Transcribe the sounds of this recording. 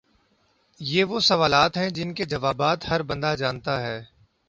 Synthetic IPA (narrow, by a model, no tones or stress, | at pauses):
jeːʋosɐʋaːlaːt̪ɦɛ̃d͡ʒɪnked͡ʒɐʋaːbaːt̪hɐɾbɐ̃nd̪ad͡ʒaːnt̪aɦɛː